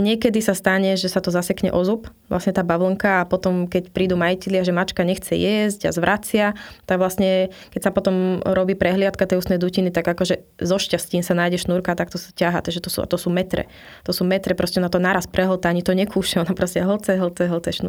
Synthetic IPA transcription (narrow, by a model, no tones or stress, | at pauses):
ɲɪɛkɛd̪isast̪aɲɛʒɛsat̪ɔzasɛkɲɛ̰ʔɔzupʋla̰sɲɛt̪aːbaʋl̩ŋkaapɔt̪ɔmkɛcpɾiːd̪uːmajicɛlɪaʒɛmat͡ʃkaɲɛxt͡sɛjɛzɟa̰zʋɾʔat͡sɪat̪aɡʋlasɲɛ | kɛcsapɔt̪ɔmɾɔbiːpɾɛɦlɪat̪kat̪ɛjust̪nɛjd̪ucinit̪aɡakɔʒɛ | zɔʃcasciːnsanaːjɟɛʃnuːɾkat̪ak̚t̪ɔsḁcaɦa̰t̪aʒɛt̪ɔsṵa̰t̪ɔsuːmɛt̪ɾɛ̰ | t̪ɔsuːmɛt̪ɾɛpɾɔscɛnat̪ɔnaːɾaspɾɛɦl̩t̪aaɲit̪ɔɲɛkʰuːʃɛɔnapɾɔscɛɦl̩t͡sɛɦl̩t͡sɛɦl̩t͡sɛʃnṵ